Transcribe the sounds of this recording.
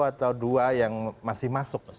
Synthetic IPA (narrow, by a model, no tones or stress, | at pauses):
at̪awduajaŋmasɪhmasʊk̚